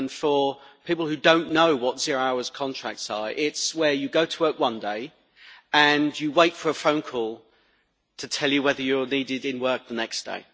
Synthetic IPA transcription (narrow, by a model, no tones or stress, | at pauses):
nfə˞pʰiˑpl̩ˠhʉdõʊ̃nːoʊwɒtz̥ɪəɹəɹaʊəz̥kʰɒ̃ntʰɹ̥a̰k̚tsəɹɪtswəjəɡoʊtʰəwɜˑ˞kwʌ̃ndeɪ | ə̃njəweɪtfəɹəfõʊ̃nkʰɔːlˠ | tʰətʰɛlˠjəwɛðəjəniːdɪdɪ̃nwɜˑ˞k̚ðənɛksd̥ḛɪ